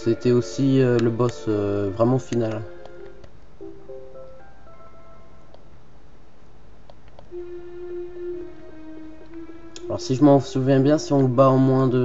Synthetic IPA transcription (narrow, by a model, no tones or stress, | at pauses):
set̪ɛosiøləbɔsøvʁɛmɑ̃final | alɔʁsiʒəmɑ̃suvjɛ̃bjɛ̃siɔ̃baɔ̃mwɛ̃d̪ə